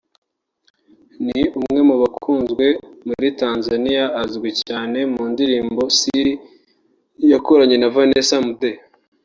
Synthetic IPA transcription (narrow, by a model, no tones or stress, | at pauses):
niumŋe̞muβakʰuːnzɡwe̞muɾitaːnzanijaːzɡwicaːne̞muːndiɾiːmbo̞si | jakoɾaɲe̞navanesamude